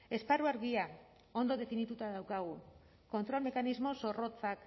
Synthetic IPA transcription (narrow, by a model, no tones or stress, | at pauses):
e̞sparuaɾɣia | o̞nd̪o̞ðe̞finit̪ut̪að̞awkaɣ̞u | ko̞nt̪ɾo̞lme̞kanizmo̞so̞ro̞t͡sak